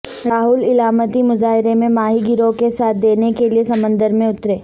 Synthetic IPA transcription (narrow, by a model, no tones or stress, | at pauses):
ɾaːɦʊlɪlaːmət̪imʊzaːɦɪɾemẽmaːɦiɡɪɾõkesaːt̪̚ʰd̪eːnekeliesɐmə̃nd̪əɾmẽʊt̪ɾeː